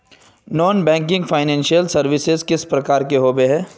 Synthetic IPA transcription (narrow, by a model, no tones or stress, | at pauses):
nɔːnbɛ̃ːŋk̬ɪ̃ŋɡfʰaːɪnɛ̃ːnʃijəlsɐɾʋɪsɪzkɪspɾɐkaːɾkeɦoːbeɦɛ̃ː